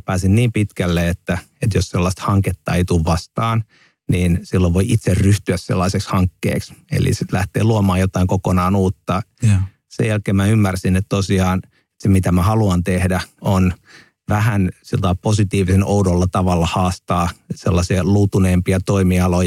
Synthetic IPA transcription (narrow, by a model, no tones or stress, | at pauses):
pæːsinniːmpit̪kælːeet̪ːæ | et̪josselːɑst̪hɑŋket̪ːɑeit̪uːʋʋɑst̪ɑːn | niːnsilːoʋʋoiʔit̪serryht̪yæssḛlːɑisekshɑŋkːḛːksḛlḭsit̪læht̪ḛːluɑmɑːjot̪ɑiŋkokonɑːnuːt̪ːɑ | sḛjælkeːmæymːærsinet̪t̪osiɑːn | semit̪æmæhɑluɑnt̪ehdæon | ʋæhænsilt̪ɑiposit̪iːʋisenoudolːɑt̪ɑʋɑlːɑhɑːst̪ɑːselːɑsiɑlut̪uneːmpiɑt̪oimiɑloj